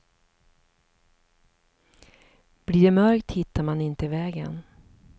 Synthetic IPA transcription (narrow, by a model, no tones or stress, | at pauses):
b̥liːɖɛmœɾkt̪hɪt̪ʰːaɾmanɪnt̪əɪvɛːɡə̰n